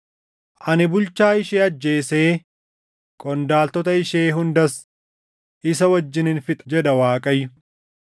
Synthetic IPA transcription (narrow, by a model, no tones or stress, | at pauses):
ʔɐnɪbʊlt͡ʃaːɪʃeːɐd͡ʒːe̞ːseː | kʼɔnd̪aːlt̪ɔt̪ɐɪʃeːɦʊnd̪ɐs | ʔɪsɐwɐd͡ʒːɪnɪnfɪt̪ʼɐ̥d͡ʒɛd̪ɐwaːkʼɐjːʊ